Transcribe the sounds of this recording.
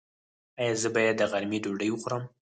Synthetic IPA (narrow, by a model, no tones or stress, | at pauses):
ɑjɑzəbɑjad̪ːəɣaɾmiɖoɖəjwəxuɾəm